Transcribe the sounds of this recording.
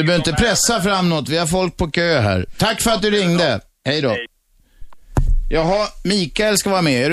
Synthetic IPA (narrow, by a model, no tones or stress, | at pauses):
ɵbœːɾɪnt̪əpʰɾɛsːafɾamːnɔt̪ːvɪhaɾfɔlk̚pʰɔkʰøːɦæ̰ːɾt̪ʰakːfœɾat̪̚d̪ɵɾɪŋd̪ə | hɛjd̪ɔ | jɑːɡɦamiːkaɛlskavɑːɾamɛɛɾ